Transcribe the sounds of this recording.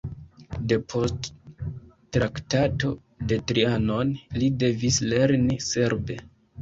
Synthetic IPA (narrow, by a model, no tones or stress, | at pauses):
de̞pʰo̞st | tɾaktato̞ | de̞tɾiano̞nlide̞visle̞ɾnise̞ɾbe̞